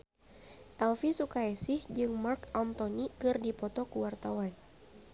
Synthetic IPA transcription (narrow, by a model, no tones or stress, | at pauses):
ʔɛlfisukaɛsɪhd͡ʒɨŋmarkant̪onikɨrdipɔt̪ɔkəwart̪awan